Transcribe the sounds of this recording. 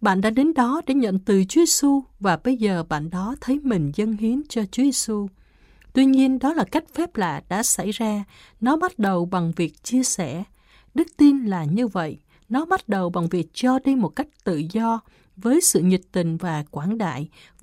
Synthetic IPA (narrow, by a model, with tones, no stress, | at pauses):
ɓa̰ː˧˨nɗa̰ː˧˥ɗe˨˦nɗɔ˨˦ɗḛ˧˩ɲə̰˧˨nt̪ɨ˨˩t͡ɕu˨˦ze˧su˧vaː˨˩ɓə˧jzəː˨˩ɓa̰ː˧˨nɗɔ˨˦t̪ʰə˨˦jmï˨˩ŋ̟zə˧nhi˨˦ənt͡ɕɔ˧t͡ɕu˨˦ze˧su˧ | t̪wi˧ɲi˧ənɗɔ˨˦laː˨˩ka˦˥jk̟̚fɛ˦˥p̚laː˨ɗa̰ː˧˥sa̰˧˩jzaː˧ | nɔ˨˦ɓa˦˥t̚ɗə˨˩wɓa˨˩ŋvi˨˩ək̚t͡ɕi˧əsɛ˧˩ | ɗɨ˦˥k̚t̪i˧nlaː˨˩ɲɨ˧və̰˧˨j | nɔ˨˦ɓa˦˥t̚ɗə˨˩wɓa˨˩ŋvi˨˩ək̚t͡ɕɔ˧ɗi˧mo˨˩t̚ka˦˥jk̟̚t̪ɨ̰˧˨zɔ˧ | vəː˨˦jsɨ̰˧˨ɲi˨˩t̚t̪ï˨˩ŋ̟vaː˨˩kwaː˧˩nɗa̰ː˧˨j